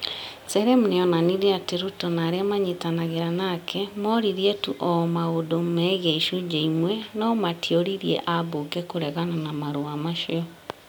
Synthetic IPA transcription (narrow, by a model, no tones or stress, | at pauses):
sɛɾɛmuneɔnaniɾeateɾutɔnaɾeamaɲetanaɣeɾanakʰɛmɔɾiɾiɛtuʔɔmaodomɛːɣɛiʃud͡ʒeimwɛnɔmatʰioɾiɾiɛ̰ʔabokɛkoɾɛɣananamaɾoamaʃeɔ